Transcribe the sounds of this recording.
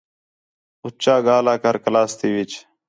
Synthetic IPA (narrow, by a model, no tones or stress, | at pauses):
ʊt͡ʃaːɡaːlaːkəɾkəlaːst̪iːʋɪt͡ʃ